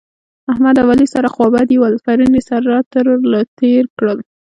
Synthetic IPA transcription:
ahmad̪awalisaɾaxwɑbad̪iwalfaɾinisaɾat̪əɾlat̪eɾkɽəl

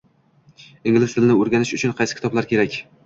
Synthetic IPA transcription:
ɪŋʲɪlɪsd̪ɪlnɪoɾɡʲanɪʃʊt͡ʃʰʊnqʰɑjsɪ̥kʰʲɪ̥t̪ɒblaɾkʲʰe̞ɾakʲ

